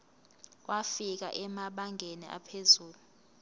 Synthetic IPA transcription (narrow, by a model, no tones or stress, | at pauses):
wafik̬a̰ʔɛmaɓaŋʱenḭʔa̰pʰezuːlu